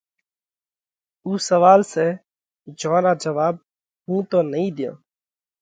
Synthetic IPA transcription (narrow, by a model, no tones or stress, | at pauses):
uːsəʋaːlseː | d͡ʒõːɾaːd͡ʒəʋaːb̚ | ɦũːt̪oːnəĩːd̪ɪjõ̰ː